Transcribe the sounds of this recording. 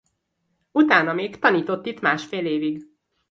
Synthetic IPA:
ut̪aːnɒmeːkt̪ɒniːt̪o̞t̪ːit̪maːʃfeːleːviɡ

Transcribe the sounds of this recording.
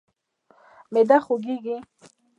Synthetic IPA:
med̪aχoɡiɡi

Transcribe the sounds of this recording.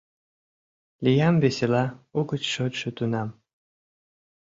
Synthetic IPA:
lijɑmbeselɑuɣət͡ɕʃot̪ʃĕt̪unɑm

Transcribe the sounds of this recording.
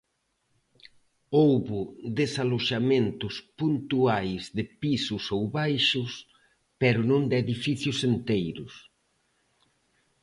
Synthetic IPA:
owβʊðesaloʃamẽnt̪ʊspunt̪uajzðɪpisʊsowβajʃʊs | pɛɾʊnõnd̪ɪeðifiθjʊsent̪ejɾʊs

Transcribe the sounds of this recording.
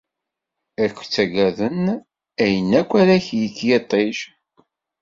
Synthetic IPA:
æɾkʷːt͡sːæɡæðən | æjənːækʷːæɾæçjiθjet̪ˤːeʃ

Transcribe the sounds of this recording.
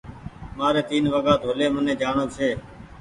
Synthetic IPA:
maːɾeːt̪iːnʋəɡaːd̪ʱoːleːmənẽːd͡ʒaːɳoːseː

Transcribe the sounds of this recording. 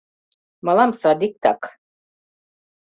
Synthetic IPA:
malˠamsad̪ik̚t̪a̰k

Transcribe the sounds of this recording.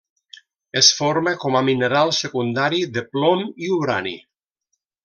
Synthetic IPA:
esfoɾmekɔmamineɾalˠsekund̪aɾiðeplɔmiuβɾa̰nḭ

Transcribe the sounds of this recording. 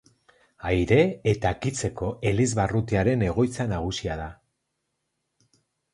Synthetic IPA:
ajɾe̞et̪akit͡se̞ko̞e̞lizβarut̪iaɾe̞ne̞ɣ̞o̞jt͡sanaɣ̞usiað̞a

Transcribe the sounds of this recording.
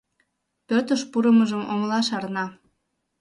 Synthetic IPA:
pøt̪əʃpuɾəməʒəmomlɑʃɑrnɑ

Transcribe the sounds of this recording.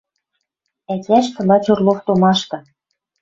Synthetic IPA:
ækʲæʃt̪ɤ̆lɑt͡ɕorloft̪omɑʃt̪ɤ̆

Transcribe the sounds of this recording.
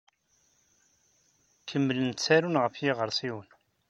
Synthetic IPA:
kʰəmːələnt̪t͡sːæɾunʁəfjɪʁəɾˤsiwən

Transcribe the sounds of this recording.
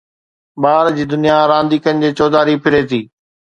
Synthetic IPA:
ɓaːɾd͡ʑiːd̪ʊnijaɾãːnd̪iːkənɪ̆d͡ʑeːt͡ɕɔːd̪aːɾipʰɪɾet̪ʰiː

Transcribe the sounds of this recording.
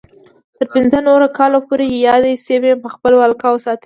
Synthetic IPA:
t̪əɾpɪnzənoɾokɑlopoɾejɑd̪esebempəxpəlwalkɑwəsɑt̪ə

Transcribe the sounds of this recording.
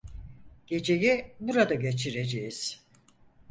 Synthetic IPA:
ɟ̥e̞d͡ʒe̞jibuɾad̪aɟe̞t͡ʃʰiɾe̞d͡ʒejiz̥

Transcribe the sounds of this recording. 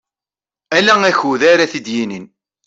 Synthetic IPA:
ælæŋæçuðæɾaθid̪jinin

